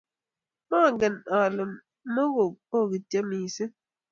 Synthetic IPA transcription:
ma˦˨ŋɡɛ˨na˨lə˨m | mə˦ɣo˨k̚o˦ɣi˨tje˦mi˨sə˦

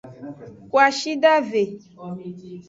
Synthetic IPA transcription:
kwa˨ʃi˦ɖa˦ve˨

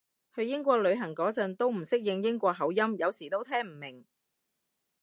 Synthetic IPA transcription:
hɵ˧ɥjɪ˥ŋkʷɔː˧k̚lɵ˨˧ɥɦɐ˨˩ŋkɔː˨˥t͡sɐ˧nt̪o˥wm̩˨˩sɪ˥k̚jɪ˧ŋjɪ˥ŋkʷɔː˧k̚ɦɐ˨˥wjɐ˥mjɐ˨˧wsiː˨˩t̪o˥wt̪ʰɛː˥ŋm̩˨˩mɪ˨˩ŋ

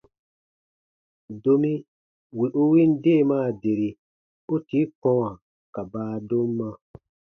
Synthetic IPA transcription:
do˧mĩ˦ | wi˨ʔo˦wi˦n̩˦de˦˨mãː˦˨de˨ɾi˨ | o˦ti˨˦kɔ̃˦wã˨ | ka˨baː˦do˦mː˦ã˧

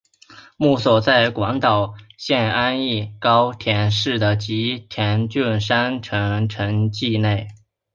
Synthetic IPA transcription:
mu˥˩swɔ˨˩t͡sa˥˩ɪkwɑ˧˥ŋt̪ɑ˨˩ʊɕjɛ˥˧na˥ni˥˩kɑ˥ʊt̪ʰjɛ˧˥nʂɻ̩˥˩d̪ə˩t͡ɕi˧˥t̪ʰjɛ˧˥nt͡ɕy˥˧nʂa˥nʈ͡ʂʰɤ˧˥ʈ͡ʂʰɤ˧˥ŋt͡ɕi˥˧ne˥˩ɪ

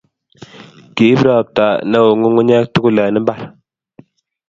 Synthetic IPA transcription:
ki˨˦bɾa˦˨p̚ta˨na˦wo˨ŋu˦ŋu˦ɲa˦k̚tu˦ku˦la˨nə˦m˦ba˦˨ɾ

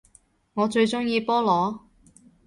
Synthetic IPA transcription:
ŋɔː˨˧t͡ʃɵ˧ɥt͡ʃʊ˥ŋjiː˧pɔː˥lɔː˨˥

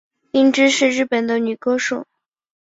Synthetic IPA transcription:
i˥ŋʈ͡ʂɻ̩˥ʂɻ̩˥˧ɻɻ̩˥˩pə˨˩nd̪ə˦ny˨˩kɤ˥ʂu˨˩

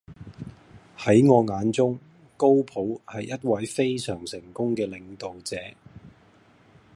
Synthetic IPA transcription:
hɐ˨˥jŋɔː˨˧ŋaː˨˧nt͡sʊ˥ŋ | ko˥wpʰo˨˥whɐ˨jːɐ˥t̚wɐ˨˥jfe˥jsœː˨˩ŋsɪ˨˩ŋkʊ˥ŋkɛː˧lɪ˨˧ŋt̪o˨wt͡sɛː˨˥

